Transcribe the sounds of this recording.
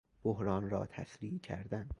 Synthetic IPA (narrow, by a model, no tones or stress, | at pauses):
b̥oɦɾɒːnɾɒ̰ːt̪ʰæ̰sɾiːʔcʰæ̰ɾd̪æn